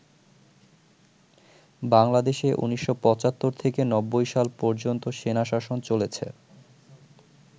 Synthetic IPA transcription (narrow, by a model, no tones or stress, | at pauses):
baŋlad̪eʃeʔṵniʃːopɔt͡ɕat̪ːoɾt̪ʰekenɔbːojʃalpɔɾd͡ʑont̪oʃenaʃaʃont͡ɕolet͡ɕʰḛ